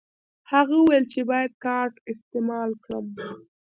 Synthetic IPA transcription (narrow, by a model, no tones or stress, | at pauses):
haɣauwajlt͡ʃebɑjad̪̚kɑɾʈɪst̪emɑlkɽəm